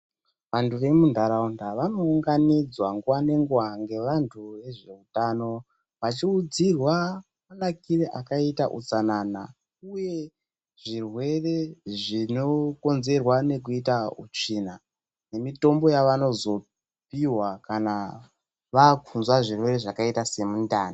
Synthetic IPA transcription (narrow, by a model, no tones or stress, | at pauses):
ʋantʰuʋe̞mundʱaɾaundaʋano̞ːŋɡanid͡zwaŋɡuwane̞ŋɡuwaŋɡe̞ʋantʰuʋe̞ʐe̞utano̞ | ʋat͡ʃiud͡zirwa | manakireʔakaita̰ʔṵt͡sanana̰ | uje̞ | ʐ̥irwe̞re̞ʐino̞ko̞nze̞rwane̞k̬uitaṵt͡ʂina | ne̞mito̞mbo̞jaʋano̞zo̞ | piwakana | ʋakʰunzwaʐirwe̞re̞ʐakaitase̞mundaːna